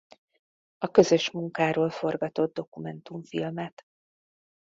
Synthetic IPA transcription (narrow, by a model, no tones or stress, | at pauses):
ɒkø̞zø̞ʃmuŋkaːɾoːlfo̞rɡɒt̪o̞d̪̚d̪o̞kumɛnt̪uɱfḭlmɛt̪